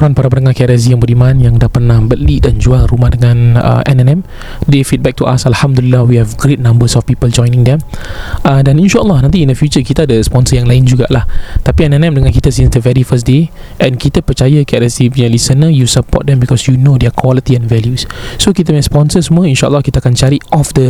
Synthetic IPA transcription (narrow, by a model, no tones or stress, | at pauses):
ɾanpaɾapənəŋakɛɾɛs̬ijãŋbudimãnjaŋdapərnahbəlidand͡ʒuaŋrumahdəŋãnə̰ʔɛ̰nɛnɛ̃m | defit̚bɛk̚tuʔa̰salhamd̪ulilːawihɛvɡɾet̚nãmbəsɔfpipəld͡ʒɔ̃jnĩŋdɛ̃mədãnĩnʃaʔəlːɔhnãnt̪iĩnəfjut͡ʃəkit̪əadəspɔnsəjaŋlaɪnd͡ʒuɡa̰ʔlaht̪apiɛnɛ̃nɛ̃mdəŋãnkit̪əsĩnsdəvɛɾifəs̬de | ʔɛ̃nkit̪əpət͡ʃajəkaʔ̚dɛsipiɲalisənəjusəpɔ̰t̚dɛ̃mbikɔsjunodɛakʰwɔlit̪iɛ̃nvɛljusːokit̪əmespɔnsəsəmuəinʃaʔə̰lːɔhkit̪əakant͡ʃaɾiʔɔfdə